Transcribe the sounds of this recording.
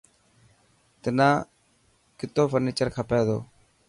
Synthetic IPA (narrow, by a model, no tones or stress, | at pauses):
t̪ɪnãː | kɪt̪oːfəɾniːt͡ʃəɾkʰaːpeːd̪o̰ː